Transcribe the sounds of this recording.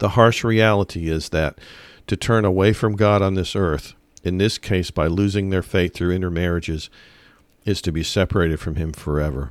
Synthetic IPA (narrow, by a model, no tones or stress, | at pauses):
ðəhɑɹʃɹiælˠəɾiɪzðɨtʰɨtʰɜ̃˞nəweɪfɹʌ̃mɡɑɾn̩ðɪsɜ˞θ | ɨ̃nðɪskʰeɪsb̥aɪlʉzɪ̃ŋðə˞feɪt̪θɹʉɪ̃ñə˞mɛɹɨd͡ʒɪz | ɨz̥tʰɨbisɛpə˞eɪɾɨd̥fɹʌ̃mɪ̃ɱfə˞ɛvə˞